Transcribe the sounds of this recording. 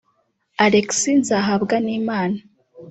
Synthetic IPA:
aɾeksinzaːɦabɡaniːmaːna

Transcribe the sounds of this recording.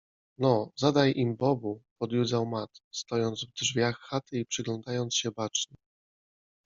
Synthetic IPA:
nɔzad̪ajʔimbɔbupɔd̪jud̪zawmat̪st̪ɔjɔnd̪zvd̪ʐvʲjaxːat̪ɘipʂɘɡlɔnd̪ajɔnt̪sɕɛbat͡ʂɲɛ

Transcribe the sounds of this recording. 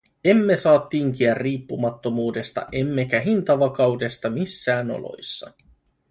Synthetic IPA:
e̞mːe̞sɑːt̪ːiːŋk̟iærːiːpːumɑt̪ːo̞muːde̞st̪ɑ̰ʔe̞mːekæɦint̪ɑʋɑkɑwde̞st̪ɑmisːæːno̞̰lo̞̰jsːɑ

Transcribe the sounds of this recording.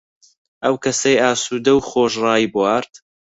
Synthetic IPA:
ʔɐwkʰɐsɐjaːsuːd̪ɐwχoːʃrɑːjibwaːɾt̪

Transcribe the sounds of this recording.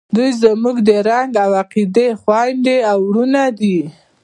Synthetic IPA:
d̪ujzamuɡd̪əɾaŋɡawaqid̪exwajnd̪eawɾunad̪i

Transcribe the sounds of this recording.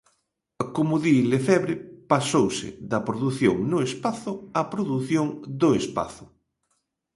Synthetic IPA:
komʊðilefɛβɾɪpasowsɪ̰ðɐpɾoðuθjoŋnʊespaθʊɐpɾoðuθjoŋd̪ʊespa̰θʊ

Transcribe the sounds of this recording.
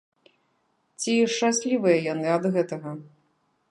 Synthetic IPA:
t͡sʲiʂt͡ʂasʲlʲivɨjɐjanɨɐd̪ɣɛt̪ɐɣɐ

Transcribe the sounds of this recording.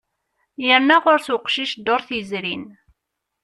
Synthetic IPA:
jəɾnæʁʊɾsʊqʃiʃd̪ʊɾθjəzɾin

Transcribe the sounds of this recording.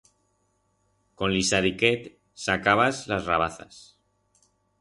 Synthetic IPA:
kõ̞nlisaðiket̪ | sakaβazlazraβ̞aθa̰s

